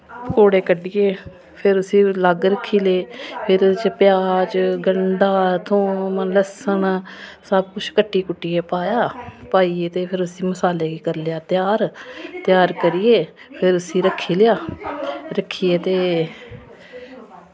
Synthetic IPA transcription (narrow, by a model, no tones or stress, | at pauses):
koːɽeːkəɖijeː | pʰɪɾʊsĩːləɡɾəkʰːiːleːpʰɪɾt͡ʃpɪjaːɾt͡ʃɡəɳɖaːt̪ʰõːmənləsəɳsəb̚kʊt͡ʃʰkəʈːiːkʊʈːijeːpaːjaːpaːiːeːt̪eːpʰɪɾʊsĩːməsaːleːɡiːkəɾlejaːt̪ɪjaːɾt̪jaːɾkəɾijeː | pʰɪɾʊsĩːɾəkʰːiːlɪjaː | ɾəkʰːiːeːt̪eː